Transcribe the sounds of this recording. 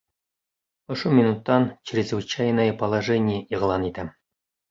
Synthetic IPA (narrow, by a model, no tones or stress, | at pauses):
ŏʃomʲɪnut̪ːɑnt͡ɕɪɾʲɪzvɘ̆t͡ɕæjnəjəpəlˠɐʐɛnʲɪjəʔiʁlˠɑnit̪æ